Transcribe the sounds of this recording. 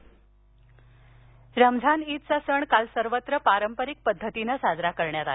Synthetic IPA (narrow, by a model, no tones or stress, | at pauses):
ɾəmd͡zʱanit̪̚t͡sasəɳkalsəɾʋət̪ɾəpaɾəmpəɾik̚pəd̪ʱːət̪inəsad͡zɾakəɾɳjat̪ale